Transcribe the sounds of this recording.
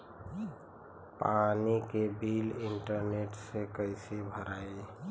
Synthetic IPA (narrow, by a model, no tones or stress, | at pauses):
panikebiliɳʈəɾneʈsekəɪsebʱəɾaj